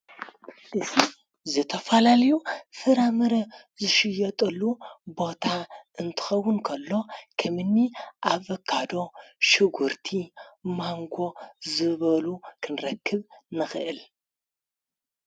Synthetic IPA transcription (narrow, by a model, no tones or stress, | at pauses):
ɨsi | zɨt̪ʰɐfɐlalɐjufɨɾamɨɾɐ | zɨʃɪjːɐt̪ʼɐlːubo̞t̪ʰaʔɨnt̪ʰɨ̥xɐwːʊnkʰɐlːo̞kʰɐmɨnːiʔaβɐkʰːad̪o̞ʃɨɡuɾt̪ʰimaŋɡo̞zɨβɐlukʰɨnɾɐkʰːɨβnɨxɨ̰ʔɨl